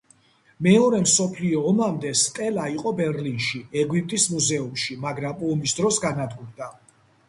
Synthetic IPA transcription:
mɛɔɾɛmsɔpʰliɔːmamd̪ɛst̪ʼɛlaiqʼɔbɛɾlinʃiɛɡwip̚ʼt̪ʼismuzɛumʃimaɡɾampʼɔmisd̪ɾɔsɡanad̪ɡuɾd̪a

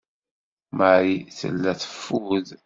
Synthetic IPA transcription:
maɾiθə̰lːæθə̥fːuð

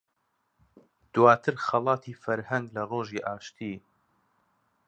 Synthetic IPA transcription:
d̪̥waːt̪ʰɨɾxɐlˠɑːt̪ʰiːfɐɾhɐŋɡlɐroːʒiːʔaːʃt̪ʰiː

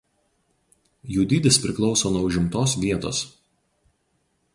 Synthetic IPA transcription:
juːd̪ʲiːd̪ʲɪspʲɾʲɪklˠɒʊsoːnuɔʊʒʲɪmt̪oːsʋʲiɛt̪o̰ːs

